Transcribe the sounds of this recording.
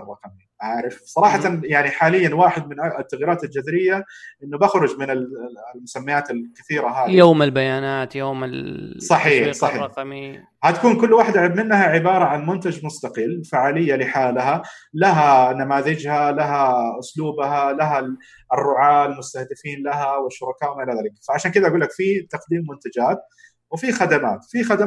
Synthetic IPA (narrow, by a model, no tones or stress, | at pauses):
rˤːɑqmiʔaːʕɾɪfsˤɑɾˤɑːħɑt̪jaʕniħaːlɪjːanwaːħɪd̪̚mɪnʔt̪ːaɣiːɾaːt̪ald͡ʒaðɾɪjːaʔɪnːʊbaxɾʊd͡ʒmɪnɪllmʊsamːajaːt̪ɪlkɪθiːɾaɦaːjjoːmɪlbajaːnaːt̪joːmɪlsˤɑħiːħsˤɑħiː | hat̪ḁkuːnkʊlːwaːħɪd̪ʕɪbmɪnːhaʕɪbɑːɾˤɑʕanmʊnt̪ad͡ʒmʊst̪ɑqɪlːfaʕaːlɪjːalɪħaːlɦalaɦanamaːðɪd͡ʒhalaɦaʔʊsˤluːbhalaɦa | ɪrːʊʕaːlmʊst̪ahd̪ɪfiːnlaɦawɪʃːʊɾˤɑkaːʔwɪmaʔɪlaðaːlɪkfaʕaʃaːnkɪd̪aʔaɡuːlːakfit̪ɑqd̪iːmːʊnt̪ad͡ʒaːt̪̚ | wɪfixad̪amaːt̪fixad̪a